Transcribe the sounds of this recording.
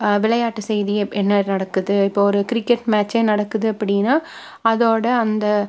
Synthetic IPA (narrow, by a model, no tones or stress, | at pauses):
ʋɪlɐjaːʈːɯsɛjðiʔɛnːɐnɐɽɐkːɯðɯɪpːoɔɾɯkɪɾɪkːɛʈmaːt͡ʃːeːnɐɽɐkːɯðɯɐpːɐɽɪnaː | ɐðoːɽɐɐnd̪ɐ